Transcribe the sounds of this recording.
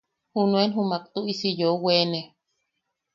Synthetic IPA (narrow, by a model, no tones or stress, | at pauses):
hunuenɦumakt̪uisijouwene